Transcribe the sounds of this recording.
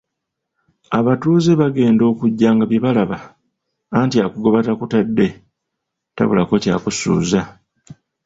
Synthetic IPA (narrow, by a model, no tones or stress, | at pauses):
aβatuːzeβaɡe̞ːndo̞ːkuɟːaːŋɡaβje̞βalaβaː | ntiakuɡo̞βatakutadːe̞ | ta̰βṵlako̞ca̰ːkusṵːza